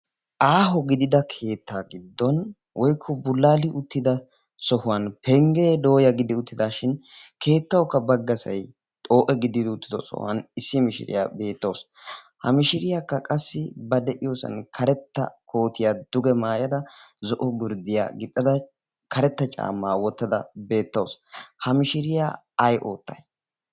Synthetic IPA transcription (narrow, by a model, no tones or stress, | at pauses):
ʔaːɦɔɡɪd̪ɪd̪ɐkʰe̞ːt̪ʰːaːɡɪd̪ːɔn | wʔɔjkʰːɔbʊlːaːlɪʔʊt̪ːɪd̪ɐ | sɔhʊwɐnpʰɛŋɡeːd̪o̞ːjɐɡɪd̪ɪʊt̪ːɪd̪aːʃɪnkʰe̞ːt̪ːɐwkːɐbɐɡːɐsɐ̰j | t̪ʼo̞ːʔɛɡɪd̪ɪd̪ɪʊt̪ːɪd̪ɔ̰sɔ̰hɐ̰nɪsːɪmɪʃɪ̰ɾɪ̰ja̰be̞ːt̪ːo̞ːs | hɐmɪʃɪɾɪjaːkːɐkʼɐsːɪbɐd̪ɛʔɪjoːsɐ̰nkʰɐɾɛt̪ːɐ̰kʰo̞ːt̪ɪjad̪ʊɡɛmaːjɐd̪ɐzɔʔɔɡɪɾd̪ɪja̰ːɡɪt̪ʼːɐd̪ɐ | kɐɾɛt̪ːɐt͡ʃʼa̰ːmːaːwɔt̪ːɐd̪ɐ̰be̞ːt̪ːo̞ːshɐmɪʃɪɾɪja̰ː | jʔo̞ːt̪ːɐ̰j